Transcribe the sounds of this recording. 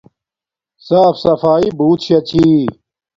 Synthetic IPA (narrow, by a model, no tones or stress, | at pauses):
saːfsɐfaːibuːt̪ɕɐt͡ɕʰiː